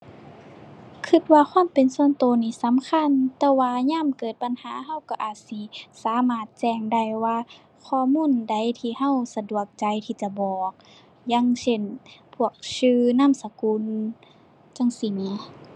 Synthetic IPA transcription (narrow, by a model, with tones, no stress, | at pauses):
kʰɯ˧t̪̚waː˧xʰwaː˧˥˨mpe˨nsu˧˨ənt̪oː˨˧niː˧˩sa˨˦mkʰa˧˥˨nt̪ɛː˧waː˧ɲaː˧˥˨mkɤː˨˩t̪̚ba˧˨nhaː˨˦ɦa˧˥˨wka˧ʔaː˨˩t̪̚si˧˦saː˨˦maː˧˩t̪̚t͡ɕɛː˧˩ŋda˧˩jwaː˧ | kʰɔː˧˨muː˧˥˨nda˧˨˩jt̪ʰiː˧˩ha˧˨wsa˧du˨˩ək̚t͡ɕa˨˦jt̪ʰiː˧˩t͡ɕa˧˦bɔː˨˩k̚ | ja˧˥˨ŋse˧˩npʰu˧˩ək̚sɯː˧na˧˥˨msa˧ku˧˥n | t͡ɕa˧˨ŋsi˧˩ni˧˦